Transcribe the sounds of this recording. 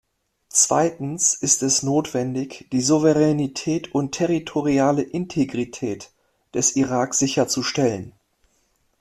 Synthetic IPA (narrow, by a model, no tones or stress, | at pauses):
t͡sv̥a̰ɪtn̩sʔɪstɛsnoːtv̥ɛndɪçd̥iːzuvəʁɛnitʰɛːtʰʊntʰɛʁitʰoʁiaːləʔɪntʰeɡʁitʰɛːt | d̥ɛsʔiʁaːkz̥ɪçɐt͡suʃtɛlən